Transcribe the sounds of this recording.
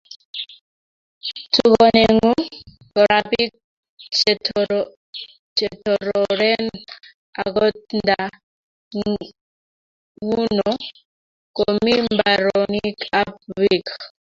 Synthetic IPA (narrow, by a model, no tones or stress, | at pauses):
tʰukɔnɛŋu | kɔɾapik̚ | t͡ʃɛtʰ | t͡ʃɛtɔɾɔɾɛn | aɡɔtnda | ŋ | wunɔ | komimbaɾɔnikap̚wik